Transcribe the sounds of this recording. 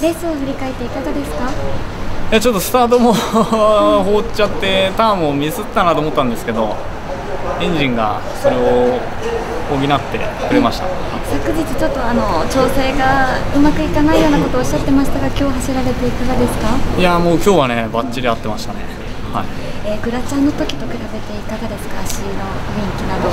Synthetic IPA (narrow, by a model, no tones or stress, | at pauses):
ɾe̞sɨoɸɯ̟ɾʲikae̞t̪ːe̞ikaɡ̪ad̪e̞sɨ̥ka | jat͡ɕo̞t̪ːo̞sɨ̥t̪aːt̪o̞mo | hoːt͡ɕat̪ːe̞t̪amomʲizɨt̪ːanat̪oːmo̞t̪ːãnd̪esɨ̥ke̞d̪o̞ | ẽ̞ɲ̟d͡ʑĩŋɡa̰ | so̞ɾe̞o | oːɡʲinat̪ːe̞̰kɯ̟ɾe̞maɕi̥t̪a̰h | sakɯ̟ʑit͡sɨ̥t͡ɕo̞t̪ːo̞ano̞t͡ɕo̞ːse̞ːɡaɯ̟makɯ̟ikanaijo̞ːnako̞t̪oːɕːat̪ːe̞maɕi̥t̪aɡakʲo̞ːɦaɕiɾaɾe̞t̪e̞ikaɡad̪e̞sɨ̥kajamo̞ːkʲo̞ːβane̞bat͡ɕt͡ɕːiɾʲiat̪ːe̞maɕi̥t̪ane̞̰ | haieːɡɯ̟ɾat͡ɕãnːo̞t̪o̞kʲi̥t̪o̞kɯ̟ɾabe̞t̪e̞ikaɡad̪e̞sɨ̥kaːɕino̞ɡẽŋkʲinad̪o̞